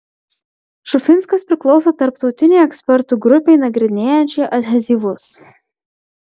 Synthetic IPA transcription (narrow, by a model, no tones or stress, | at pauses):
ʃʊfʲɪnskɐspʲɾʲɪklˠɒʊsoːt̪ɐɾpt̪ɒʊt̪ʲɪnʲɛɪɛksʲpʲɛɾt̪uːɡɾʊpʲɛɪnɐɡɾʲɪnʲeːjɛnʲt͡ʃʲɛɪʔɐzʲɦɛzʲiːʋʊs